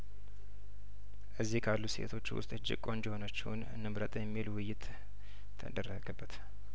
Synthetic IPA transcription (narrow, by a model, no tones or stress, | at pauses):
ʔɨzːihkʰalːuse̞̰t̪ʰo̞t͡ʃːwʊ̰st̪ʼɨd͡ʒɪ̰kʼo̞nd͡ʒɪho̞nət͡ʃːɪwn | nɨmɾət̪ʼjɛmːilwʊjːɪt̪ʰː | ə̰d̪ərəɡəbːət̪